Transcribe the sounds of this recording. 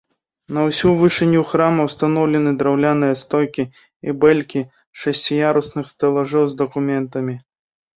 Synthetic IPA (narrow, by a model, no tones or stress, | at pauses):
nɐwsʲuvɨʂɛnʲːuxɾamɐwst̪anɔwlʲɛnɨd̪ɾawlʲanɨjɐst̪ɔjkʲi | ibɛlʲkʲi | ʂɐsʲt͡sʲijaɾusnɨxst̪ɐlˠɐʐɛwzd̪ɐkumʲɛnt̪ɐmʲi